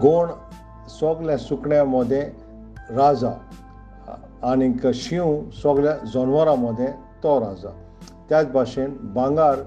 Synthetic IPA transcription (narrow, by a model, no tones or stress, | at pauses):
ɡoɳ | sɔɡljãsukɳjãməd̪ʱjẽ | ɾad͡za | nikəɕiũsɔɡljãd͡zɔnʋaɾaməd̪ʱjẽ | t̪ɔɾad͡za̰ | t̪jat͡sbʱaɕenbãŋɡaɾ